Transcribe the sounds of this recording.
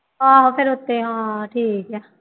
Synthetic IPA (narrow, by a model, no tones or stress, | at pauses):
ɦãːɦopʰɪɾɦʊt̪ːeɦãːʈʰiːkɛː